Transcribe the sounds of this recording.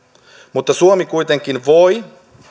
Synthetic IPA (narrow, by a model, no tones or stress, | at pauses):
mut̪ːɑsuomikujt̪e̞ŋkinʋo̞j